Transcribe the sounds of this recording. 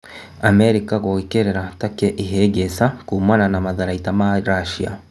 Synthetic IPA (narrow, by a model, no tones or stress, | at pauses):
amɛɾikaɣowikeɾeɾatakeʔiɦeɡesakuːmananamaðaɾaitamaɾaʃia̰